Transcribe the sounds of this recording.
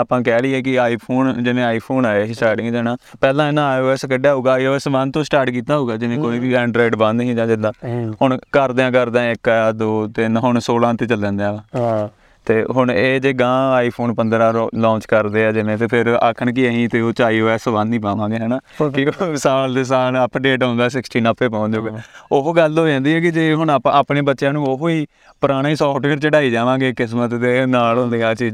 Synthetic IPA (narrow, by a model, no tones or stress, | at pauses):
aːpãːkɛːliːɛːkɪaːiːpʰoːnd͡ʒɪnẽːaːiːpʰoːnaːesʈaːɾʈɪ̃ŋɡd͡ʒ̪ɛːnaːpɛːlãːɪnãːaːjoːɛːskəɖaːɦuːɡaːiːoːɛːsbə̃nt̪õːsʈaːɾʈkiːt̪aːɦouːɡaːd͡ʒɪnẽːkoːiːʋiːɛ̃ːɳɖɾoːɪɖbənd̪ɦĩːd͡ʒãːd͡ʒɪd̪ãːhʊɳkəɾd̪eãːkəɾd̪ãːɪkːaːd̪oːt̪ɪnɦʊɳsoːlãːt̪eːt͡ʃəlɛ̃ːnd̪eãːã | t̪eːɦʊɳeːd͡ʒeːɡãːaːiːpʰoːnpənd̪ɾãːlɔ̃ːt͡ʃkəɾd̪eːɛːd͡ʒɪnẽːt̪eːpʰɪɾə̰kʰːəɳk̬iəɦĩːt̪eːoːt͡ʃaːiːɦoːɛːsəʋãːnːĩːpaːʋãːɡeːɦɛːnaːkɪosaːld̪eːs̬aːləpɖeːʈɦõnd̪aːsɪksʈiːnəpʰːeːpãːnd͡ʒoːɡoɦoːɡəld̪oːd͡ʒãːnd̪iːɛːk̬ɪd͡ʒeːɦʊɳaːpneːbət̪ːʃjãːnũːoɦoːiː | pəɾaːɽ̃aːiːsɔːfʈəkəɾt͡ʃəɖaːiːd͡ʒaːʋãːɡeːkɪs̬mət̪d̪eːnaːlɦʊ̃ːnd̪eːaːt͡ʃiː